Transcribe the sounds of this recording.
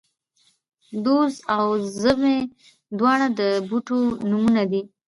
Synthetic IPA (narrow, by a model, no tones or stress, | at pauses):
d̪ozawzəme | d̪wɑɽad̪əbuʈonumunad̪i